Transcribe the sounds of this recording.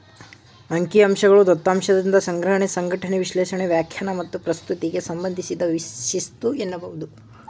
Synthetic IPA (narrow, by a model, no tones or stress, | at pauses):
ɐŋkiɐmʃɐɡɐɭud̪ɔt̪ːaːmʂɐd̪ind̪ɐsɐŋɡɾɐɦɐɳesɐŋɡʱɐʈʰɐɳeʋiʃlɛːʃɐɳeʋjaːkʰjɐnɐmɐt̪ːupɾɐst̪ut̪iɡe̞sɐmbɐnd̪ʱisid̪ɐʋiʃist̪uenːɐbɐɦud̪u